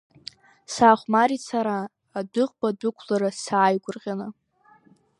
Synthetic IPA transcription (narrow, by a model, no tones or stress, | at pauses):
saːχʷmaɾit͡sʰaɾaː | dɨqʼbadʊkʷʰlaɾasaːjɡʷʊrqʲʼana